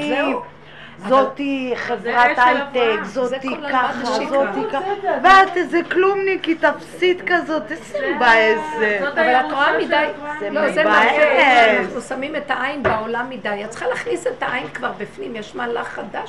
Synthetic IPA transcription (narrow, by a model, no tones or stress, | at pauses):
i | zot̪iχevʁat̪alt̪ekzotikaχot̪ikaveat̪ezeklumnikit̪afsit̪kazo̞t̪esembaezeavalat̪oamidajselozeba | naχnusamimet̪aainbaolamːid̪ajat͡sə̥χalaːχniset̪aʔajnkvaʁbifnimjɛʃmaːlaχad̪aʃ